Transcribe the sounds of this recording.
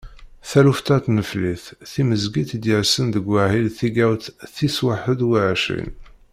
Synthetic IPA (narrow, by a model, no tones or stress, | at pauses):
θæluft̪æt̪nəfliθθiməzɡit̪d̪jəɾsənðəɡwæʕilθiɡæwt̪θiswaħəd̪waʕʃḭn